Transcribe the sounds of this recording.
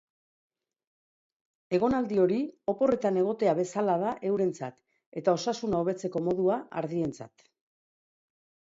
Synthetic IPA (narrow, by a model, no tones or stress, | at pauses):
e̞ɣ̞o̞nald̪io̞ɾio̞po̞re̞t̪ane̞ɣ̞o̞t̪e̞aβe̞salað̞aʔe̞wɾe̞nt͡sa̰t̪ | e̞t̪ao̞sasunaoβ̞e̞t͡se̞ko̞mo̞ðuaʔa̰ɾðie̞nt͡sa̰t̪